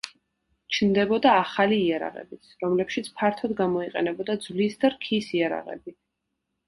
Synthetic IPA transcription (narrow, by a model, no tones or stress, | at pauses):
t͡ʃʰnd̪ɛbɔd̪aːχaliːaɾa̰ʁɛ̰bit̪sʰɾɔmlɛpʃit̪sʰpʰaɾt̪ʰɔd̪ɡamɔiqʼɛnɛbɔd̪ad̪zvlisd̪aɾkʰisiaɾa̰ʁɛ̰bi